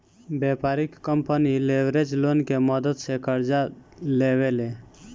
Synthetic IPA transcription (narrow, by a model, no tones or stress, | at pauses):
beːpaːɾɪkːəmpənileʋɾed͡ʒloːnkeməd̪əd̪sekəɾd͡ʒaleːʋele